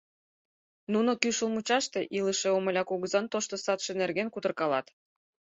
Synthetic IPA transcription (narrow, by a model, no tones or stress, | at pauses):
nunokyʃəlmut͡ɕɑʃt̪eʔiləʃeoməlʲɑkuɣəzɑnt̪oʃt̪osɑt̪ʃenerɣenkut̪ərkɑlɑ̰t̪